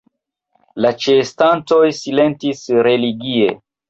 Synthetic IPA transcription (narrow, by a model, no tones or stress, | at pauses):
lat͡ʃestanto̞jsile̞ntisɾe̞liɡie̞